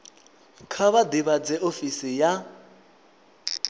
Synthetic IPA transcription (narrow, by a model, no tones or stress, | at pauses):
kʰaβadiβad͡zɛʔofisija